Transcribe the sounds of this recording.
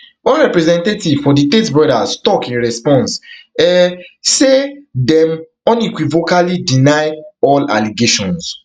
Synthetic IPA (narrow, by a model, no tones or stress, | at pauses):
wɔ̃nɹɛpɹɛzɛ̃ntetiv̥fɔditetbɔdastɔkĩnɹɛspɔ̃nsɛsedɛ̃m | ɔ̃nikwivokalidinajɔla̰liɡeʃɔ̰̃ns